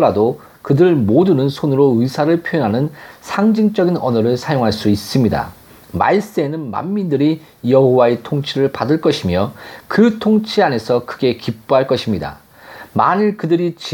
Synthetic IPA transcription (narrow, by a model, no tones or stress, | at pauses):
ɾado | kɯdɯɭmodɯnɯnsʰonɯɾoɯisʰaɾɯɭpʰjojʌnɦanɯnsʰaŋd͡ʑiŋt͡ɕ͈ʌɡinʌnʌɾɯɭsʰajoŋɦaɭs͈uis͈ɯmɲida̰ | ma̰is͈enɯnma̰mːindɯɾi | jʌɦowaetʰoŋt͡ɕʰiɾɯɭpadɯɭk͈ʌɕʰimjʌkɯtʰoŋt͡ɕʰiane̞sʰʌkɯɡe̞kip̚p͈oɦaɭk͈ʌɕʰimɲida̰ | ma̰niɭkɯdɯɾit͡ɕ